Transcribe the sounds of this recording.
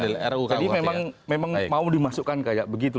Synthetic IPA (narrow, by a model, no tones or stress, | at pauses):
elɛ̰ɾukadimemaŋmemaŋmaudimasukːankajaʔ̚bəɡit̪̬u